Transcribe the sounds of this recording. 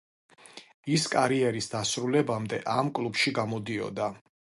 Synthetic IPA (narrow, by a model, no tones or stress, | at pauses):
iskʼaɾiɛɾisd̪asɾulɛbamd̪ɛʔamkʼlˠubʃiɡamɔd̪iɔ̰d̪a